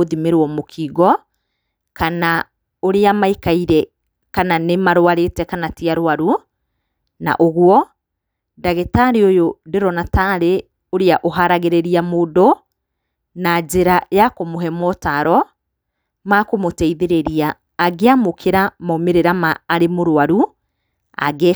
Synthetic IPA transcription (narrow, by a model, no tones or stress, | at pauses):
oðimeɾwɔmokʰiːɣɔ | kana | oɾeamaikaiɾɛ | kananemaɾowaɾetɛkanatiaɾoaɾu | na̰ʔoɣwɔ | daɣetaɾiojodeɾɔnataɾe | oɾeaʔoɦaɾaɣeɾeɾiamodo | nad͡ʒeɾajakomoɦɛmɔtaɾɔ | makomotɛiðeɾeɾiaː | ɡeamokʰeɾamɔmeɾeɾamaːɾemoɾoaɾu | a̰ɡe